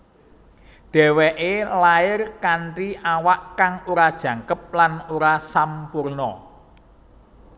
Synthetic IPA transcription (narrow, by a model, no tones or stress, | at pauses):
d̥ɛ̤wɛʔelaɪrkaɳʈiawaʔkaŋuɾad̥ʒ̥ä̤ŋkəp̚lanuɾasampurnɔ̰